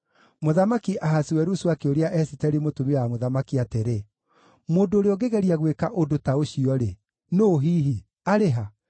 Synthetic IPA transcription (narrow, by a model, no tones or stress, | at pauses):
moðamakiʔaɦasiwɛɾuswakeoɾeaʔɛsitɛɾimotumiamoðamakiateɾe | moːndoːɾeɔɡeɣɛɾiaɣwekaʔodotaoɕiɔɾe | noɦiːɦi | aɾeɦa